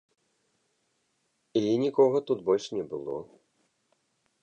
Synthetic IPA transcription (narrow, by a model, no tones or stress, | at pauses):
inʲikɔɣɐt̪ut̪bɔlʲʂnʲɛbɨlˠɔ̰